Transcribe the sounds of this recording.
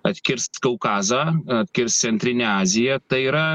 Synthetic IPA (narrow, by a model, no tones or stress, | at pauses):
ɐt̪ʲkʲɪɾskɐʊkɑːzɑːɐt̪ʲkʲɪɾst̪sʲɛnʲt̪ʲɾʲɪnʲɛaːzʲɪjɛt̪ɐɪiːɾɐ